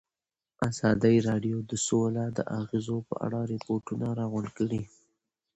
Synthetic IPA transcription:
azɑd̪ajɾɑɖjod̪əsolad̪ə̰ʔaɣezopə̰ʔa̰ɽaɾɪpoɾʈunaɾɑɣʊɳkəɽi

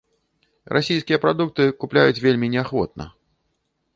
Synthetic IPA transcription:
ɾʔa̰sʲijskʲijɛpɾad̪uk̚t̪ɨkuplʲajut͡sʲvʲelʲmʲinʲɛaxvɔt̪̚nɐ̰

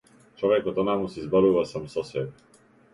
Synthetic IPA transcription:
t͡ʃɔvɛkɔt̪ɔnamusizbɔɾuvasamsɔsɛbɛ

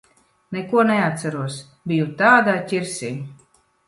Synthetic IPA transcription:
nɛkuɔnɛat̪saɾuɔs | bijut̪aːd̪aːcʲiɾsiː

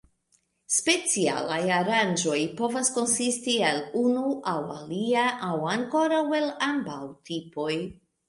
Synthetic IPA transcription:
spe̞t͡sia̰lajaɾand͡ʒo̞jpo̞vasko̞nsistielunuʔawa̰liaʔawaŋko̞ɾawe̞lambawtʰipo̞j

